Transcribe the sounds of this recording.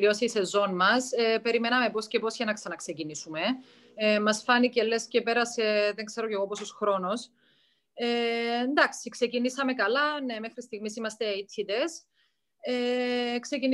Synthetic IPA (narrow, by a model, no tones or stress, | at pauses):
iosiise̞zo̞nmɐsepe̞ɾime̞nɐme̞posce̞po̞sçenɐksɐnɐkse̞cinisume̞ | mɐsfɐnice̞le̞sce̞pe̞ɾɐse̞ðeŋkse̞ɾo̞ce̞ɣo̞pososxɾo̞nos | eːnd̪ɐksikse̞cinisɐme̞kɐlɐne̞me̞xɾist̪iɣmisimɐst̪eit̪ʰːit̪e̞s | eksecin